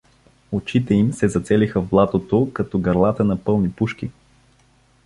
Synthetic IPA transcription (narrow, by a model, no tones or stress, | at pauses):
ot͡ʃit̪ɛimsɛzɐt̪sɛlixəvblˠat̪ot̪okɐt̪ɔɡɐɾlˠat̪ənɐpɤlˠnipuʃk̟i